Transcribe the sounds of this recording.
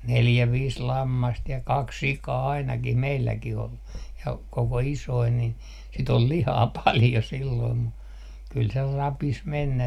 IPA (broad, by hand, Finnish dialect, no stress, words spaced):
neljæ ʋiːs lɑmːɑst jɑ kɑks sikɑː ɑinɑkih meilːækih ol jɑ koko isoi nin sit ol lihɑː pɑljo silːoim mu kyl se rɑpis menːæ